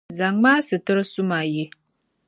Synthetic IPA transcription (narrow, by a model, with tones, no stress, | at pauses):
za˨ŋmaː˦sɨ˨tɨ˦ɾɨ˦su˦ma˨je˦